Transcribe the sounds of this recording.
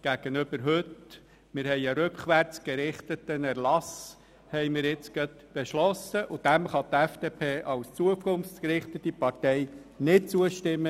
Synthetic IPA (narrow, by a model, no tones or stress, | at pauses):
ɡ̥æɡ̥ənʏb̥əɾɦøt | mɪɾhɛɪəɾʏkχʋæɾt͡sɡ̥əɾɪχt̪ət̪ənæɾlɑs | hɛɪmɪːɾjɪt͡sɡ̥ɑt̪ | b̥eʃlɔsəʔʊd̥æmχɑt̪ɛfd̥eːpʰeːʔɑlst͡suəkʰʊnft͡skəɾɪχt̪ət̪ipɑrtɛɪ | nɪt̚t͡suəʃtɪmːə